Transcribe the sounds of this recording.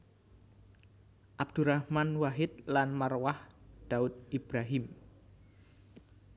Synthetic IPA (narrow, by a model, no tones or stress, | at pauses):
ʔabd̪̥uɾahmanwaɦɪt̪̚lanmarwahd̪̥aʊt̪̚ib̥ɾaɦɪm